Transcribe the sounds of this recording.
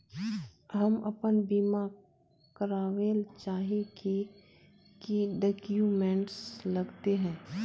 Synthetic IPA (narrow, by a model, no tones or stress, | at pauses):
ɦɐmɐpənbiːma | kəɾaːʋeːlt͡ʃaːɦiki | kiɖekjuːmɛ̃ːɳʈslɐɡt̪eɦɛ̃ː